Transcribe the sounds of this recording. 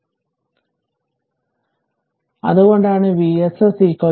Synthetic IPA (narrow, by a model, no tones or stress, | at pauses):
ɐ̰ðuɣo̞ɳɖaːɳɨʋiːesɨsiːko